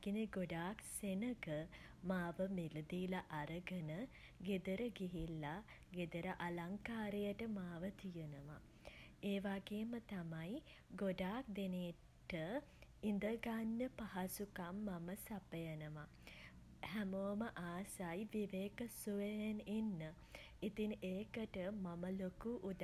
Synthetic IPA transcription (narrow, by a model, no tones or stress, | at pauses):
ɡineɡoɖaːksenəɡə | maːʋəmelud̪iːlaʔaɾəɡənə | ɡed̪əɾəɡiɦilːa | ɡed̪əɾəʔalaŋkaːɾejəʈəmaːʋət̪ijənəʋa̰ | eːʋaɡeːmət̪amaj | ɡoɖaːk̚d̪eneː | ʈəind̪əɡanːəpahasukamːaməsapəjənəʋa | hæmoːməʔaːsajʋiʋeːkəsuʋejenenːə | it̪iŋeːkəʈəmaməlokuʔːd̪